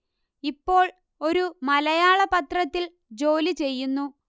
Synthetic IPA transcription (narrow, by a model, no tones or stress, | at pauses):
ipːo̞ːɭ | o̞ɾumɐlɐjaːɭɐpɐt̪rɐt̪ːil | d͡ʑo̞ːlit͡ɕe̞jːunːu